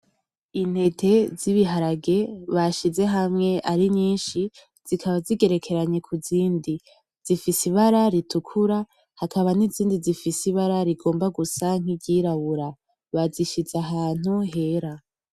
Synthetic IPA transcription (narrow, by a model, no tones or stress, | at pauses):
in̥he̞tʰe̞ziβiɦaɾaɡe̞βaʃize̞ɦamŋe̞ʔaɾiɲiːnʃi | z̥ikʰaβaziɡe̞ɾe̞kʰe̞ɾaɲe̞kʰuziːndi | z̥ifisiβaɾaɾitukʰuɾa | hakaβaniziːndizifisiβaɾaɾiɡo̞ːmbaɡusaŋ̥iɟiɾaβuɾa | βaziʃiz̥aɦaːn̥uɦe̞ɾa